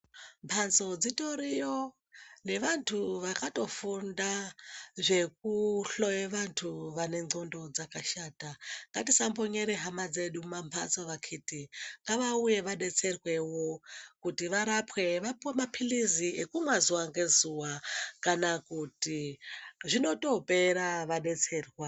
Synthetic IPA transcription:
mpʰant͡so̞d͡zitoɾijo | ne̞ʋantʰuʋakato̞fundaʐe̞k̚uɬojeʋantʰuʋane̞ŋ͡ǀondo̞d͡zakaʃaːtaŋɡatisamboɲeɾeɦamad͡zeɗumampʰa̰nt͡soʋakʰitiŋɡaʋauje̞ʋaɗe̞t͡se̞rwe̞wokutiʋaɾapwe̞ʋapuwemapʰiliziekumwazuwaŋɡe̞zuwakanakuti | ʐino̞to̞peɾaʋaɗe̞t͡se̞ːrwa

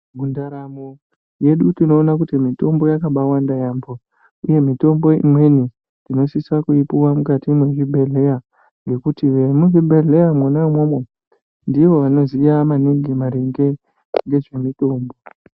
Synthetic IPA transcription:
mundaɾamo | je̞ɗutino̞ːnakutimito̞mbo̞jakaɓawandajaːmbo | uje̞mito̞mbo̞ḭmwe̞ni | tino̞siswakuipuwamukatimweʒibʱe̞ɮe̞ja | ŋɡe̞kutiʋemuɦibʱe̞ɮe̞jamwanaimo̞mwe̞ | ndiʋo̞ʋano̞zijamaniɡimaɾeŋɡe̞ | ŋɡe̞ʐe̞mito̞ːmbo̞

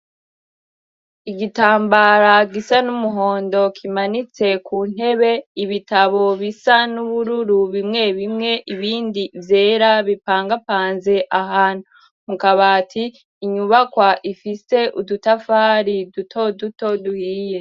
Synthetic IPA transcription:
iɡitaːmbaɾaɡisanumuɦo̞ːndo̞kʰimanit͡se̞kun̥he̞βe̞iβitaβo̞βisanuβuɾuɾuβimŋe̞βimŋe̞ʔiβiːndivje̞ːɾaβipaːŋɡapaːnze̞ʔaɦaːn̥u | mukaβatʰiː | ɲuβakwaʔifise̞ʔudutafaɾidutʰo̞duto̞duhije̞

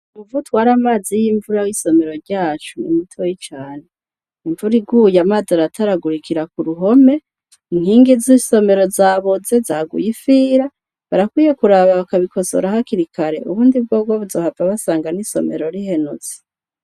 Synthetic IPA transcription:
uvutwaːɾamaːzijiːɱvuɾawiso̞me̞ɾo̞ɾɟaːt͡ʃunḭmitʰojit͡ʃaːne | iɱvuɾiɡujamaːzaɾatʰaɾaɡuɾikiɾakuɾuɦo̞me̞ | in̥hiːŋɡiziso̞me̞ɾo̞zaːβoze̞zaːɡṵjifiːɾa | βaɾakwiːje̞kuɾaβaβakaβikʰo̞so̰ɾahakiɾikʰaɾe̞̰ʔuβuːndib̚ɡoːb̚ɡwoβuzo̞ːhavaβasaːŋɡaniso̞̰me̞̰ɾo̞ɾihe̞nut͡si̥

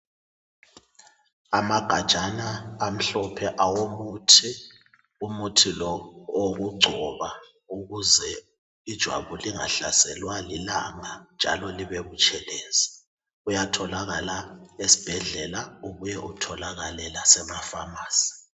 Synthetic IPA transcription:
amaɡ̥ʱad̥ʒ̥ʱanaːm̩ɬɔpʰɛʔawomutʰi | umutʰilɔoɣuɡ͡ǀʱɔβa | uɣuzɛ | id̥ʒ̥ʱwa̰βuliŋa̰ɬasɛlwalilaŋand͡ʒ̥ʱa̰lɔliβeβut͡ʃʼʰɛlɛːzɛ̥ | ujatʰɔlaɣalaesi̥b̥ʱɛɮɛlauɣujɛʔutʰɔlaɣalɛlasɛmafamaːsi̥

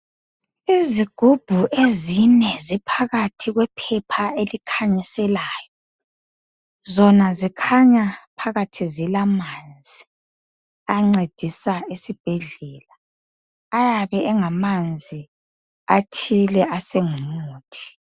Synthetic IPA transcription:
iziɡ̥ʱub̥ʱuʔezinɛzipʰaɣatʰiɣwɛpʰɛpʰaelikʰaɲisɛlaːjɔ | zɔnazikʰaɲapʰaɣatʰizilamand͡zʱi | aŋ͡ǀed̥ʱisaesib̥ʱɛɮɛːlaː | jaβɛːŋamand͡zʱi | atʰilɛʔaseŋumoːtʰi̥

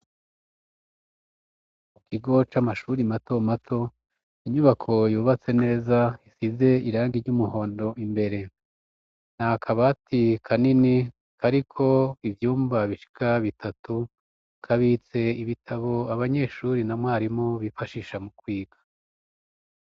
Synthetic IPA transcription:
mukʰiɡo̞t͡ʃamaʃuɾimato̞matʰo̞ | iɲuβakʰo̞juːβat͡se̞ne̞ːzaisize̞iɾaːŋɡiɾɟumuho̞ːndo̞ʔimbe̞ɾe̞ | n̥akʰaβatikʰanini | kʰaɾikʰo̞ivjuːmbaβiʃi̥kʰaβitʰatu | kʰaβit͡se̞iβitʰaβo̞aβaɲe̞ʃuɾinamwaːɾimo̞βifaʃiʃamukwiːɡḁ

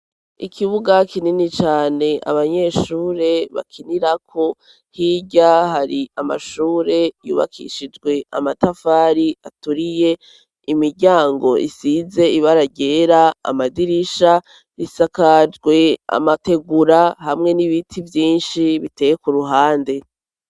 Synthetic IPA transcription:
ḭkʰiβuɡakininit͡ʃaːne̞ʔa̰βaɲe̞ʃuːɾe̞βa̰kʰiniɾakʰo̞ | hiɟaɦaɾiama̰ʃuːɾe̞jṵːβa̰kʰḭʃid͡ʒɡwe̞ʔa̰matafaːɾiatuɾije̞ | imiɾɟaːŋɡo̞ʔḭsize̞iβaɾaɟe̞ːɾa̰ːmadiɾiʃa | isakad͡ʒɡwe̞a̰mate̞ɡuɾahamŋe̞niβitʰivjiːnʃiβite̞ːjekuɾuɦaːnde̞

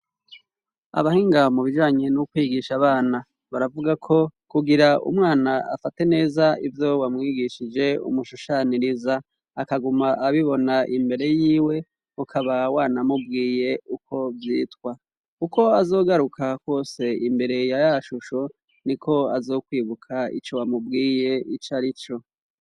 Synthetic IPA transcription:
a̰βahiːŋɡamuβiʒaːɲenukwiːɡiʃaβaːna | βaɾavuɡakʰo̞kuɡiɾaṵmŋaːnaa̰fate̞ne̞ːzaivjo̞wamŋiːɡiʃid͡ʒe̞ṵmuʃuʃaniɾizaː | kaɡumaʔaβiβo̞naʔimbe̞ɾe̞jiːwe̞ | ukʰaβawaːnamubɡiːje̞ukʰo̞vjiːtkwa | kuko̞azo̞ːɡaɾukʰakwo̞ːse̞imbe̞ɾe̞jajaʃuʃo | nikʰo̞azo̞ːkwiːβukʰaḭt͡ʃo̞wamub̚ɡiːje̞it͡ʃaɾit͡ʃo

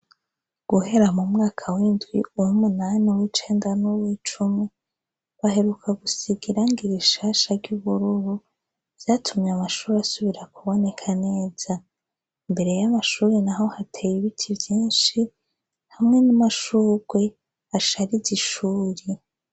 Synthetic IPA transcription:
ɡ̥uhe̞ɾamumŋaːkʰawiːndɡwiujumunaːniwit͡ʃe̞ːndanuβwit͡ʃumŋe | βahe̞ɾukʰaɡusiɡiɾaŋɡiɾiʃaʃaɾɟuβuɾuɾu | vjaːtʰumɲamaʃuːɾeasuβiɾakuβo̞ne̞kʰane̞ːz̥a | imbe̞ɾe̞jamaʃuːɾenaɦo̞hatʰejiβitʰivjiːnʃi | hamŋe̞namaʃuːɾɡwe̞ | aʃaɾiziʃuːɾi

